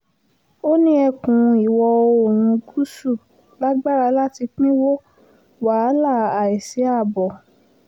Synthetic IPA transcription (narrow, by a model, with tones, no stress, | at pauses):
o˦nĩ˦ɛ˦˧˨kũ˨i˨wɔ˧o˧o˨w̃ũ˧ku˦su˦˨ | la˦ɡ͡ba˦ɾa˧la˦ti˧k͡pĩ˦wo˦ | wa˨˦la˦˨a˨ɛ˨se˨˦a˦˨bɔ˨